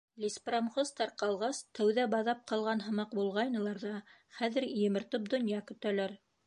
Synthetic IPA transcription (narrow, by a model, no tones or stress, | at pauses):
lʲispromχost̪ɑɾqɑlˠʁɑst̪æwðæbɑðɑp̚qɑlˠʁɑnɦɤ̆mɑqbulˠʁɑjnɤ̆lˠɑɾðɑ | χæðɘ̆ɾjɘ̆mɤ̆ɾt̪ɤp̚d̪ŏnjɑkɵ̆t̪ælæɾ